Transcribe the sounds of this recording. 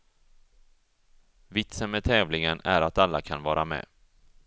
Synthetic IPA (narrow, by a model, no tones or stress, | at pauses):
vɪt̪sənmɛt̪ʰɛːvlɪŋənæɾat̪alːakʰanvɑːɾamɛ̰ː